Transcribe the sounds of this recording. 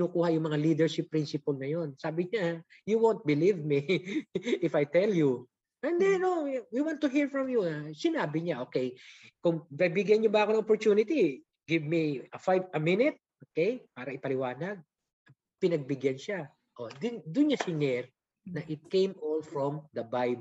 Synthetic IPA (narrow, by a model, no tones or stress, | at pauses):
kɪnukuːhɐjʊŋmɐŋaliːd̪ɛɹʃɪpːɾinsɪpɐlnɐjo̞nsaːbɪɲa | juwont̪̚bɪlivmi | ʔɪfajt̪ɛlju | ʔɛnd̪ɛnowiwãnt̪ːʊɦiɹfɹɔmjuasɪnaːbɪɲaʔoːkɛjkʊŋbɐbɪɡjɐnɲobaːkonɐŋopoɹt͡ʃ̪uːnɪt̪i | ɡɪvmiɐfajvɐmɪnɪt̪̚ʔokejpaːɾɐʔɪpɐlɪwaːnɐɡ̚ | ɐ | pɪnɐɡ̚bɪɡjɐnʃa | ʔod̪ɪnd̪ʊnɲasɪnɛɹ | nɐʔɪt̪̚kẽjmʔolfɹɔmd̪ɐbajb